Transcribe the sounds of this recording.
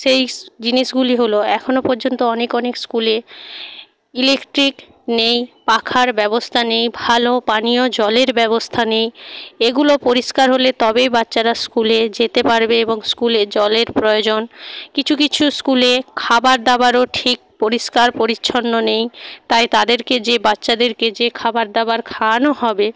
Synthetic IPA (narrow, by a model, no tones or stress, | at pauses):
ʃejd͡ʑiniʃɡuliɦoloɛkʰonopoɾd͡ʑont̪oɔnekɔnekskule | ilekʈɾik | nejpakʰaɾbɛbost̪ʰanejbʱalopaniod͡ʑɔleɾbɛβost̪ʰanejeɡulopoɾiʃkaɾɦolet̪ɔbejbatːɕaɾaskuled͡ʑet̪epaɾbeeboŋskuled͡ʑɔleɾpɾojod͡ʑonkit͡ɕʰukit͡ɕʰuskulekʰabaɾd̪abaɾoʈʰik̚poɾiʃkaɾpoɾitːɕʰonːonejt̪ajt̪ad̪eɾked͡ʑebatːɕad̪eɾked͡ʑekʰabaɾd̪abaɾkʰanoɦɔbe